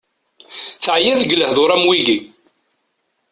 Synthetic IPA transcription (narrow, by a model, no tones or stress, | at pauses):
θʕjæðɡləhðʊɾˤæmwiʝi